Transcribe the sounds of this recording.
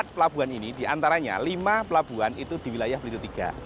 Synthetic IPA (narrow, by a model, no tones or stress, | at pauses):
t̪̚pəlab̥uaninid̥iʔant̪aɾaɲa̰limapəlab̥uanit̪ud̪̥i̤wilajahpəlit̪ut̪iɡ̥a̰